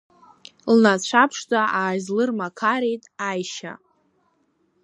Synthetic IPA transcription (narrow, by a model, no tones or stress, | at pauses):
lnat͡ɕʷʰapʰʂt͡sʼaaːzlɨrmakʰaɾejtʼajʃa̰